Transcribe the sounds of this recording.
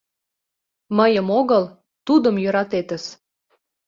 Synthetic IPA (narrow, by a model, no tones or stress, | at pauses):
məjəmoɣəl | t̪ud̪ə̆mjøɾɑt̪et̪ə̆s